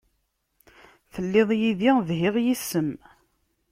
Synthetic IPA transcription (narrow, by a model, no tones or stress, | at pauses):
θəlːeðˤjiðiðɦɪʁjisːəm